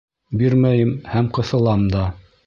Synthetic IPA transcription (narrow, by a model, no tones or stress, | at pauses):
biɾmæjɘmhæmqɤ̆θɤ̆lˠɑmd̪ɑ